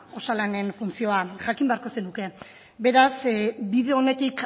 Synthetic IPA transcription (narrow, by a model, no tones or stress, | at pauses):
o̞salane̞nfunt͡sio̞aʝakimbe̞aɾko̞senuke̞ | be̞ɾasbiðe̞o̞ne̞t̪ik